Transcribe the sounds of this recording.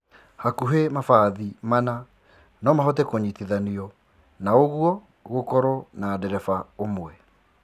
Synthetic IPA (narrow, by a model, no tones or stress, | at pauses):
hakuɦemafaðimana | nɔmaɦɔt̬ɛkoɲitiðaniɔ | naoɣuwɔ | ɣokɔɾɔnadɛɾɛfaomwɛ